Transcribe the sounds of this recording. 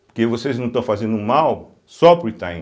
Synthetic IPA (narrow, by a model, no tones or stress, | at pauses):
poɾkevosejznɐ̃w̃t̪ɐ̃w̃fazẽnd̪ʊmaw | sɔpʊɾit̪ã